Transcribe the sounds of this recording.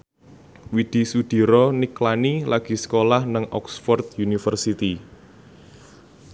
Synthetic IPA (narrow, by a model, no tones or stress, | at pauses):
wid̪̥i̤sud̪̥i̤ɾɔniklanilaɡ̥i̤sə̥kolahnəŋʔɔ̰ksfɔrt̪junifərsit̪i